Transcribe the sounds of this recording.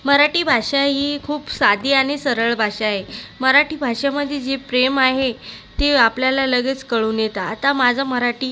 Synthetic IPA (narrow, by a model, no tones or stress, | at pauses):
məɾaʈiːbʱaʂaɦikʰuːpsad̪ʱiːaɽ̃isəɾəɭbʱaʂaɦeməɾaʈiːbʱaʂaməd̪ʱːjed͡zepɾemaɦet̪eapljalaləɡet͡skəɭũːnjet̪aːt̪amad͡zʱaməɾaʈiː